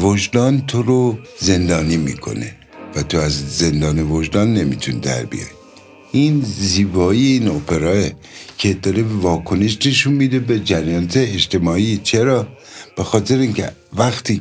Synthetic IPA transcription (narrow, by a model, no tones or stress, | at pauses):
voʒd̪ɒːnt̪ʰoɾoze̞nd̪ɒːnimḭːkʰo̞̰nḛ | væt̪ʰo̞æzze̞nd̪ɒːnevoʒd̪ɒːnːe̞mit̪ʰuned̪æ̰ɾbḭj̰ɾi | inziːbɒːieinopʰe̞ɾɒːe | cʰed̪ɒːɾebevɒːkʰo̞neʃne̞ʃunmid̪ebed͡ʒæɾjɒːnæt̪eːʃt̪ʰe̞mɒːiːt͡ʃʰeɾɒː | b̥exɒːt̪ʰe̞ɾeiŋcʰḛ | væxt̪ʰiː